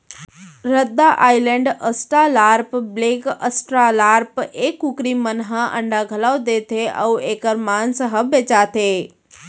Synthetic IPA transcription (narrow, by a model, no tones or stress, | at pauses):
ɾəd̪ːaʔaːɪlẽɳɖəsʈɾalaːɾpbleːkəsʈɾalaːɾpeːkʊkɾimənɦə̃ʔə̰̃ɳɖʱaɡʱəlawd̪eːt̪ʰeʔə̰weːkəɾmaːnsəɦəbeːt͡ʃaːt̪ʰeː